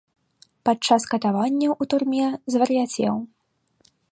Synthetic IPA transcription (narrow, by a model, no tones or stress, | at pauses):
pat͡ʂaskɐt̪avanʲːɐʔut̪urmʲɛzvɐɾjat͡sʲɛ̰w